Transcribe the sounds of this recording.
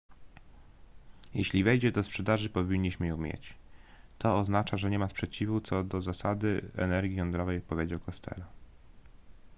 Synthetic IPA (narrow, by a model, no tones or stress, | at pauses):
jɛɕlʲivɛjd͡ʑɛd̪ɔspʂɛd̪aʐɘpɔvʲiɲːiɕmɘjũmʲjɛ̰t͡ɕt̪ɔːznat͡ʂaʐɛɲɛmaspʂɛt͡ɕivut̪sɔd̪ɔzasad̪ɘɛ̰nɛɾɡʲijɔnd̪ɾɔvɛjpɔvʲjed͡ʑawkɔst̪ʰɛ̰la